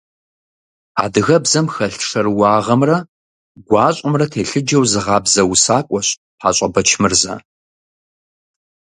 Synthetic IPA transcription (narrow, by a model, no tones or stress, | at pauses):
a̰ːdɨɣɐbzɐmxɐɬʂɐrwɑːʁɐmrɐ | ɡʷɑːɕʼʊmrɐtʰeːɬɨd͡ʒɐwzɨʁɑːbzɐwusaːkʷʼɔɕ | ħaːɕʷʼɐbɐt͡ʃʰmɨrzɐ̰